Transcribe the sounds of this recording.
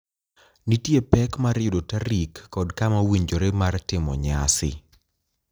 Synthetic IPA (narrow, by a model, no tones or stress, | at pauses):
nitjepɛkmaɾɪʊdotaɾikːɔdkamawiɲd͡ʒoɾemartɪmɔ̰ɲa̰sɪ̰